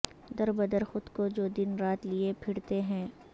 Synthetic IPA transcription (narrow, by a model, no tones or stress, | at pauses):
d̪ɐɾbɐd̪əɾxʊd̪kod͡ʒoːd̪ɪnɾaːt̪liepʰɪɽt̪eɦɛ̃ː